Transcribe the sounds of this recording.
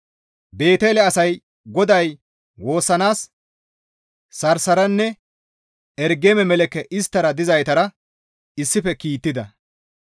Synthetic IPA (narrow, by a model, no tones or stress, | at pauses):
be̞ːt̪elɛɐsɐj | ɡɔd̪ɐj | wo̞ːsːɐnaːs | ɐɾsɐɾɐnːɛ | ɛɾɡeːmɛmɛlɛkːɛʔɪst̪ːɐɾɐd̪ɪzɐjt̪ɐɾɐ | ɪsːɪfɛkiːt̪ːɪd̪ɐ